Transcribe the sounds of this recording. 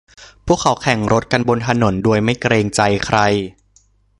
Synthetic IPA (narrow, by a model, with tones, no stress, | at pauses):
pʰu˥˩əkʰːa˩˦wkʰɛ˨˩˦ŋɾo˦˥t̪̚ka˧nbo˧nt̪ʰa˧no˩˦ndu˧əjma˥˩jkɾeː˧ŋt͡ɕa˧jkʰɾa˧j